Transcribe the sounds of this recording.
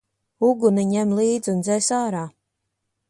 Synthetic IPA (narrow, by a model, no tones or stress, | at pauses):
uɡuniɲɛmlˠiːd̪zund̪zɛjsaːɾaː